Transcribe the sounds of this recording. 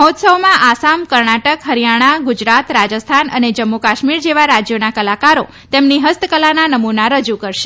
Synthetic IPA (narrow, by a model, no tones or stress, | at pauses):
ɦɔt̪səwmãʔasamkəɾɳaʈəkɦəɾijaɽ̃aɡʊd͡ʒɾat̪ɾad͡ʒəst̪ʰanə̰ned͡ʒəmːukaʃmiɾd͡ʒeʋaɾad͡ʒjonakəlakaɾo | t̪emniɦəst̪ʰəkəlananəmunaɾəd͡ʒukəɾʃe